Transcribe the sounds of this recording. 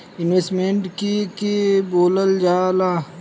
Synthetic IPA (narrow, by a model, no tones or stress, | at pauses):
ɪnʋesʈmeɳʈkikeboːləld͡ʒaːlaː